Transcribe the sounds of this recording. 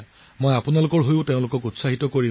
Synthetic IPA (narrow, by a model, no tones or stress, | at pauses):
mojapunalʊkɔɹɦojʊteʊ̃lʊkɔkutsaɦitɔkoɹi